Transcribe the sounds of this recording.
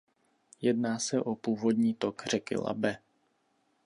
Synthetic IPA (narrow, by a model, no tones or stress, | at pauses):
jɛdnaːsɛʔopuːvo̞dɲiːt̪o̞kr̝ɛkɪ̰la̰bɛ